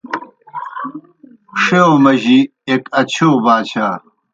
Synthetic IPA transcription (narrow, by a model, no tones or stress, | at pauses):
ʂeomɐʑi | ekɐt͡ɕʰoːbaːt͡ɕʰaː